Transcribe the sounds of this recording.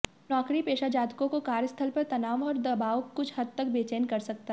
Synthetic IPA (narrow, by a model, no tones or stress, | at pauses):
nɔːkɾipeːʃaːd͡ʒaːd̪kõkokaːɾjəst̪ʰəlpɐɾt̪ɐnaːʋɔːɾd̪ɐbaːʋkːʊt͡ʃʰhɐd̪̚t̪ɐk̚beːt͡ʃeːnkɐɾsɐk̚t̪a